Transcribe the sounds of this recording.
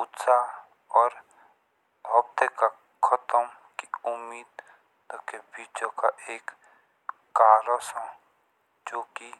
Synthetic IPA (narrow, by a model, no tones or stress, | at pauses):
ʊt̪sa | ɔːɾ | ɦɔb̚t̪eka | kʰət̪əm | kiʊmːiːd̪ | t̪okebiːt͡ʃõkaʔeːkː | aːlosɔ̃ | d͡ʒoːki